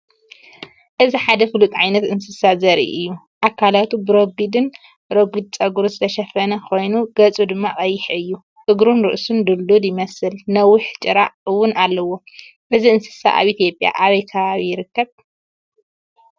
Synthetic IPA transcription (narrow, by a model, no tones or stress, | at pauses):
ʔɨziħad̪ɐfɨlut̪ʼʕajnɐt̪ɨnsɨsazɐɾḭʔɨjːu | ʔakʰalat̪ubɨɾoɡid̪ɨn | ɾoɡid̪̚t͡sʼɐɡuɾuzɨt̪ʰɐʃɐfɐnɐkʰo̞jnuɡ̥ɐt͡sʼud̪ɨmːakʼɐjːɪħɨjːu | tʼɨɡɾunɾɨʔsund̪ɨlːud̪jɪmɐsɨlnɐwʊħt͡ʃʼɨɾa̰ʕwːʊnʔalːɐwːo̞ | ʔɨziɨnsɨ̥sa̰ʔa̰βit̪ʰijo̞pʼja̰ʔaβɐjkʰɐβaβijɪɾɨkːɐβ